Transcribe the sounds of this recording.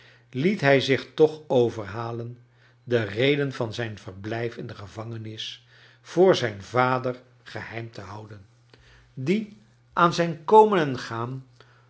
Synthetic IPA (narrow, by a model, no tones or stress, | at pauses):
litɦɛjzɪχtɔχowvəɹɦaːlən | dərejdənvɑnzɛjnv̥əɹblɛjfɪndəχəvɑŋənɪs | v̥ʊːɹzɛjnvaːdəɹ | χəhɛjmtəɦɑwdən | di | ʔaːnzɛjnkowmənənχaːm